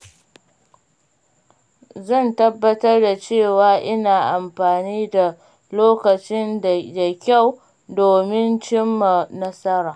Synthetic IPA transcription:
zɐ˦˨ntɐ˦bːɐ˦tɐ˦rda˨t͡ʃeː˦˨waː˨˦ʔɪ˦naː˨ʔa˨mɸaː˨niː˦da˨ | loː˦kɐ˨t͡ʃɪ˦nda˨kʲa˦˨w | doː˨mɪ˦nt͡ʃɪ˦mːa˨nɐ˦sɐ˦ɾaː˨

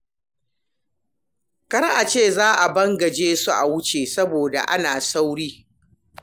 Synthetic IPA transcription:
kɐ˦ɾʔa˨t͡ʃeː˦˨zaː˦ʔa˨bɐ˦ŋɡɐ˨d͡ʒeː˦su˦ʔa̰˨wʊ˦t͡ʃeː˨sɐ˦boː˨da̰˨ʔa̰˦naː˨sa˦wɽiː˦

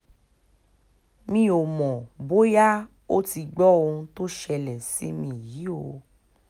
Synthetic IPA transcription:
mĩ˧˦o˨mɔ̃˨bo˦ja˦ | o˦ti˧ɡ͡bɔ˦o˧ũ˧˦to˦ʃɛ˧lɛ˨si˨˦mĩ˧˦˨ji˨˦o˧

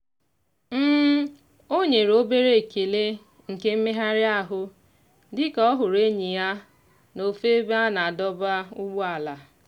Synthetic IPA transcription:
m̩ː˦ | o˦ɲe˨ɾo˦be˦ɾe˦e˨ke˨le˦ | ŋ̩˨ke˦m̩˦me˦ɦa˦ɾɪ˦a˦ɦʊ˦ | dɪ˦kɔ˦ɦʊ˨ɾe˦ɲi˨ja˦ | no˨fe˦be˦a˦na˨a˨dɔ˦ba˦ʊ˦ɡ͡bʊ˦a˨la˨

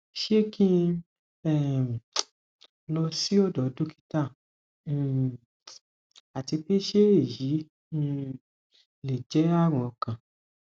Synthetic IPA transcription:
ʃe˦kʰĩ˦ | ɛ˦˨m˨ | lɔ˧si˦ɔ˦˨dɔ˨˦dũ˦ki̥˦ta˦˨ | ñ̩˨ | a˨ti˧pe˦ʃe˦e˦˨jĩ˨˦˧ | le˨d͡ʒɛ˨˦a˦˨ɾ̃ɔ̃˨ɔ˨kã˨

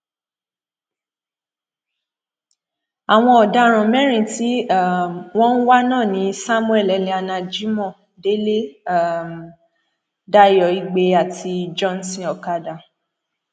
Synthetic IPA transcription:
a˨w̃ɔ̃˧ɔ˨da˧˦ɾ̃ɔ̃˨mɛ̃˦ɾ̃ĩ˦˨ti˨˦a˨w̃ɔ̃˦n̩˦wa˦nãː˦˨nĩ˨˦sa˦mũ˦ɛ˦˨lɛ˨˧˨lĩ˧˦a˧nã˧˨d͡ʒi˦mɔ̃˦˨ | de˦le˦a˦˨m | da˦˨jɔ˨˦i˧˨ɡ͡be˧a˨tʰi˧d͡ʒɔ̃˦n̩˨sĩ˨ɔ˨ka˧da˨

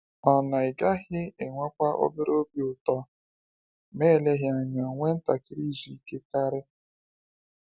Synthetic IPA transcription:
ɔ˨na˨ɪ˨ɡa˦ɦɪ˦e˨ŋʷa˦kʷa˦ʔo̰˦bɪ˦ɾo˦bi˦ʊ˨tɔ˦ | me˦˨le˦ɦɪ˦a˨ɲa˨ŋʷe˦n̩˦ta˨kɪ˦ɾi˦zi˨i˦ke˦ka˦ɾɪ˦

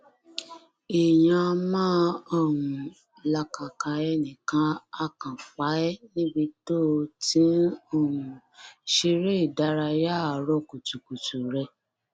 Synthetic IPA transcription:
e˨jã˧mãː˦ɔ˦˨wũ˨ | la˧ka˨ka˧ɛ˧nĩ˨kã˨˦a˧kã˨fa˨˦ɛ˦nĩ˦bi˧to˦tĩ˨˦o˦˨wũ˨ | ʃe˧ɾe˦i˨da˦ɾa˧ja˦˨ɾɔ˧ku˨tu˨ku˨tu˨ɾɛ˧

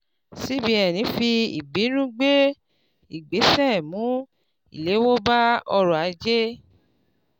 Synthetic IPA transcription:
si˨˦bi˦ɛ˨nĩ˨˦fi˧ḭ˨ɡ͡bi˨˦nũ˦ɡ͡be˦ | i˨ɡ͡be˨˦sɛ˦˨mũ˨˦ | ḭ˨le˨˦wo˦ba˦ɔ˧ɾɔ˨a˨˧˦d͡ʒe˦

